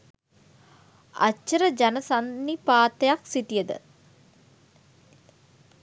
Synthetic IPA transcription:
a̰t͡ʃːəɾəd͡ʒanəsanːipaːt̪əjaksit̪ijəd̪ə̰

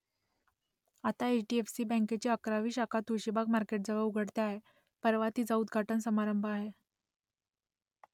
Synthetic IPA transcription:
at̪aet͡ɕʈiefsiːbə̃ŋket͡ɕiəkɾaʋiːɕakʰat̪uɕibaɡmaɾkeʈ̚d͡zəʋəuɡʱəɽt̪aaɦe | pəɾʋat̪iːd͡zaud̪ɡʱaʈənsəmaɾəmbʱəaɦe

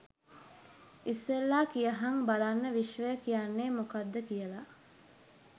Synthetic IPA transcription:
isʋelːaːkijəɦaŋbalanːəʋiʃʋəjəkijanːeːmokad̪ːəkijəla

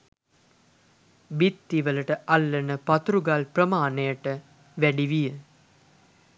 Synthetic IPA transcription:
bit̪ːiʋələʈəʔalːənəpat̪uɾuɡalprəmaːnejəʈə | ʋæɖiʋijə

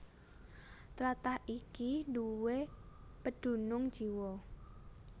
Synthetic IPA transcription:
t̪ɾat̪ahikiduwepəɖ̥ṳnʊŋ̥ʒ̥iwɔ

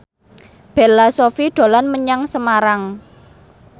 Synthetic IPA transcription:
b̥ɛ̤lasofiɖ̪̥o̤lanməɲaŋsəmaɾaŋ

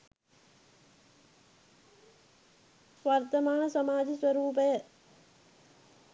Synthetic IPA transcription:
ʋaːɾt̪ɐmaːnɐsɐmaːd͡ʒisʋɐɾuːpɐ

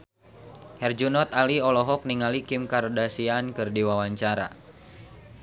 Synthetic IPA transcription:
hɛrd͡ʒunɔt̪aliɔlɔɦɔk̚niŋalikɪmkaɾodasiankɨrdiwawaɲt͡ʃaɾa̰

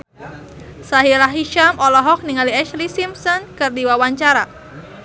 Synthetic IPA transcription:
saɦilahɦiʃamɔlɔɦɔk̚niŋaliɛʃlisimsɔnkɨrdiwawaɲt͡ʃaɾa

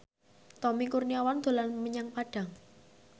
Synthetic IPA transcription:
t̪ɔmikurniawand̪̥o̤lanməɲaŋpaɖ̥a̤ŋ

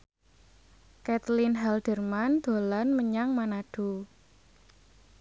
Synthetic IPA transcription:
kɛt̪linɦɛld̥ərmand̪̥o̤lanməɲaŋmanaɖ̥o̤

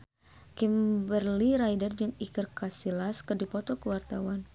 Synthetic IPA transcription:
kimbərliɾajdərd͡ʒɨŋikərkasilaskɨrdipɔt̪ɔkəwart̪awan

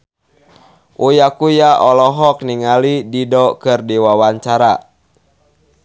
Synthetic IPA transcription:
ʔujakujaʔɔlɔɦɔk̚niŋalididɔkɨrdiwawaɲt͡ʃaɾa

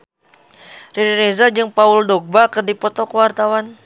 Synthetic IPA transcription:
riɾiɾezad͡ʒɨŋpauldɔɡ̚bakɨrdipɔt̪ɔkəwart̪awan

